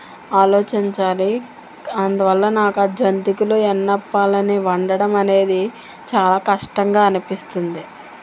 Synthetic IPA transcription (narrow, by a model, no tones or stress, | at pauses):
aːloɔːt͡ʃiɲt͡ʃaːli | ɐnd̪uʋɐlːɐnaːkɐd͡ʒɐnt̪ikuluenːɐpːaːlɐniʋɐɳɖɐɽɐmɐne̞ːd̪i | t͡ʃaːlaːkɐʂʈɐŋɡaːɐnipist̪und̪i